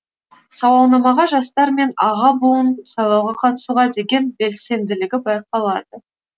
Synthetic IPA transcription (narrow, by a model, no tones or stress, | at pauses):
sɑwɑlˠnɑmɑʁɑʒɑst̪ɑɾme̞nɑʁɑbulˠənsɑwˠɑwʁɑqʰɑt̪ə̥suʁɑd̪e̞ɡʲe̞nbe̞lse̞nd̪ɪlɪɡʲɪbɑjqɑlˠɑd̪ə